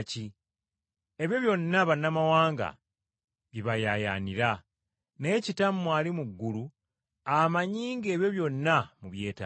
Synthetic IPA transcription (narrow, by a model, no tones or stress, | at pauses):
ci | e̞βjo̞βjo̞nːaβanːamawaːŋɡa̰ | βjiβajaja̰niɾa | ne̞ːcitamːwaːlimuɡːulu | amaɲiːŋɡeːβjo̞βjo̞nːamuβje̞ːta̰